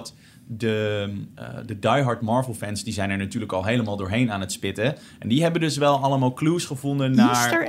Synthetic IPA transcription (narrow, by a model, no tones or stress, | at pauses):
t | də | dədɑjɦɑɹtmɑːɹvəlˠfɛnsdizɛjnɛɹnatyːɹləkɑlˠɦejləmaːlˠdʊːɹɦejnaːnətspɪtə | ɛndiɦɛbəndɵsʋɛlˠɑləmaːlˠkluːsχəvʊndənːaːɹ